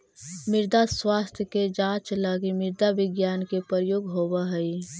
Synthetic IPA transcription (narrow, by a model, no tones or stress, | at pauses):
mɪɾd̪aswaːst̪ʰjəked͡ʒãːt͡ʃlaɡimɪɾd̪aʋɪɡjaːnkepəɾəjoːɡɦoːbaɦəi